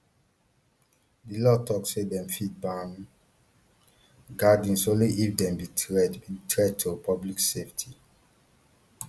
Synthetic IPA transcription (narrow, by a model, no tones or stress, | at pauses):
dilɔtʰɔkssedɛ̃mfit̚ban | ɡadĩnsõliʔifdɛ̃mbitɛditɹɛd̚tʰopʰɔblikseftʰi